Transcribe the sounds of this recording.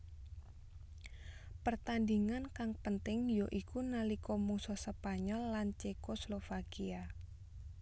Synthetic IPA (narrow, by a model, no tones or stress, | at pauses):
pərt̪and̪iŋankaŋpənt̪ɪŋjoʔikunalikɔmusɔsəpaɲɔlːant͡ʃekoslofakia